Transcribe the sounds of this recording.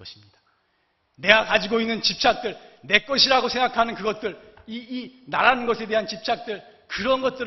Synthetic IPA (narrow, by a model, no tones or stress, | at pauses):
ʌɕʰimɲidḁ | ne̞ɡakad͡ʑiɡoinːɯnt͡ɕip̚t͡ɕʰak̚t͈ɯɭne̞k͈ʌɕʰiɾaɡosʰe̞ŋɡakʰanɯnkɯɡʌt̚t͈ɯɭ | iːnaɾanɯnɡʌsʰe̞de̞ɦant͡ɕip̚t͡ɕ͈ʰak̚t͈ɯɭ | kɯɾʌnɡʌt̚t͈ɯɾ